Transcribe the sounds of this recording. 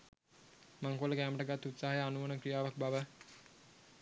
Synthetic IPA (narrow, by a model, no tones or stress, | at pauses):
maŋkoləkæːməʈəɡat̪ːut̪saːɦɐjəanuʋənəkɾijaːʋak̚baʋə